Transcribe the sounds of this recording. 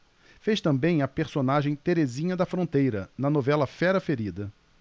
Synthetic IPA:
feʃt̪ɐ̃mbẽj̃ɐpeɾsonaʒẽj̃t̪eɾezĩɲɐd̪ɐfɾõt̪ejɾɐnɐnovɛlɐfɛɾɐfeɾid̪ɐ

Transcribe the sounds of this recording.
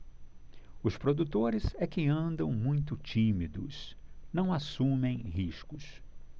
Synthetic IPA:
ʊspɾod̪ut̪oɾɪzɛkɪɐ̃nd̪ɐ̃w̃mũj̃t̪ʊt͡ʃĩmid̪ʊ̰snɐ̃w̃asũmẽj̃ɦiʃkʊs

